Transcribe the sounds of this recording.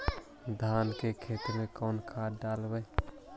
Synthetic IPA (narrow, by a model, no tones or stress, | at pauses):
d̪ʱaːnkekʰeːt̪əɾmekɔːnkʰaɖaːlbəj